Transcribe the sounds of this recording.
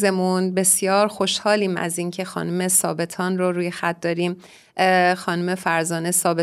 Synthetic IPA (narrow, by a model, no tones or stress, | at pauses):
ze̞munbe̞sjɒːɾxo̞ʃhɒːliːmæ̰ziːncʰe̞xɒ̰ːnume̞sɒ̰ːbe̞t̪ʰɒːnroɾuːjexæt̪̚d̪ɒːɾiːm | xɒːnume̞fæɾzɒːne̞sɒːbe